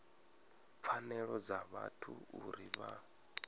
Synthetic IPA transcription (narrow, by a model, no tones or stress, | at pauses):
p̪fʰanɛɺɔd͡zaβatʰuuɾiβa